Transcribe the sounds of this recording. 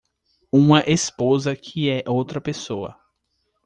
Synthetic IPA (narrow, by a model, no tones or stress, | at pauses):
ũmɐʔespozɐkʰɪɛʔowt̪ɾɐpesoɐ̰